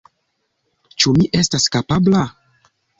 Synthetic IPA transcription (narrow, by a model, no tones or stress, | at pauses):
t͡ʃumiʔe̞staskapabla